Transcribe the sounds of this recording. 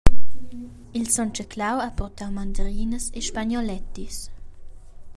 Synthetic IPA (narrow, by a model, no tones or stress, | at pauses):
ilsɔnt͡ʃəkʰlawapɔʁt̪awmand̪əɾiːnəseʃpaɲɔlɛt̪is